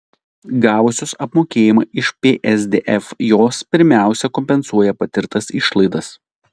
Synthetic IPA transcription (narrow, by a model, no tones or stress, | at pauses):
ɡɑːʋʊsʲosɐpmoːkʲeːjɪmɐːɪʃpʲeːʔɛzd̪ʲeːʔɛfjoːspʲɪɾʲmʲæˑʊsʲɛkɔmʲpʲɛnsuɔjɛpɐt̪ʲɪɾt̪ɐsɪʃlˠɐɪd̪ɐs